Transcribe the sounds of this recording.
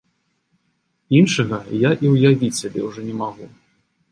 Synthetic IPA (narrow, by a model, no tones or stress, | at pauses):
inʂɐɣɐjaʔiwjavʲit͡sʲsʲabʲɛ̰wʐɔnʲɛmaɣu